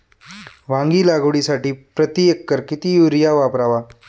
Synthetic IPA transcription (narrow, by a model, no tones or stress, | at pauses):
ʋãŋɡiːlaɡʋɽiːsaʈiːpɾət̪iekːəɾkit̪iːjuɾjaʋapɾaʋa